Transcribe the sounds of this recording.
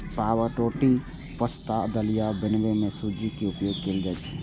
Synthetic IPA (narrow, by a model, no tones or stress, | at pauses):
paːwəʈoːʈi | pəst̪ad̪əlijabɪnʋemẽsuːd͡ʒikiʊpjoːɡkeld͡ʒ̪əd͡ʒ